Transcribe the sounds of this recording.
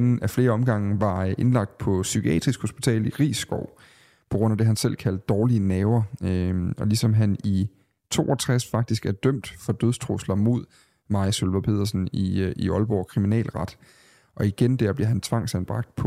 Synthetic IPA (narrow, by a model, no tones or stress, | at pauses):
nn̩æfle̝ːɐɒ̽mɡ̥ɑ̈ŋ̰n̩ʋɑ̈ʔe̝nlɑ̈ɡ̥̚d̥̚pʰɒ̽sykʰiɛ̰ːd̥ʁisɡ̥ho̝sb̥it͡sʰɛ̰ːliʁḭːsːɡ̥ɒʊ̰ | pʰɒ̽ɡ̥ʁɔ̽n̰æd̥e̝ɦænsel̰kʰæl̰d̥̚ːɒːliənɛːʊɐ | ɒ̽lisɒ̽mɦæni | t͡sʰo̝̰ːʔɒ̽t͡sʰʁasfɑ̈ɡ̥̚d̥isɡ̥æɐd̥œm̰d̥fɒ̽d̥øð̞ˠst͡sʰʁoslɐmo̝ð̞̰ˠ | mɑ̈æsolʋɐpʰe̝ðˠɐsn̩iiɒ̽lb̥ɒ̰kʰʁiminɛ̰ːlʁɑ̈d̥ | ʔɒ̽iɡ̥end̥æɐ̰b̥liɐɦænt͡sʰʋɑ̈ŋ̰sænb̥ʁɑ̈ɡ̥̚d̥pʰɒ̽